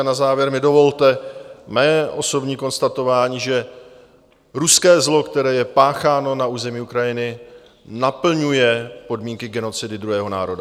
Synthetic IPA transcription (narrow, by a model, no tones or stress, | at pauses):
nazaːvjɛɾmɪdo̞vo̞lt̪ɛmɛːʔo̞so̞bɲiːko̞nst̪at̪o̞vaːɲiːʒɛ | ɾuskɛːzlo̞kt̪ɛɾɛːjɛpaːxaːno̞naʔuːzɛmiːukɾajɪnɪ | napl̩ɲujɛpo̞dmiːŋkɪɡɛno̞t͡sɪdɪd̪ɾuɦɛːɦo̞na̰ːɾo̞da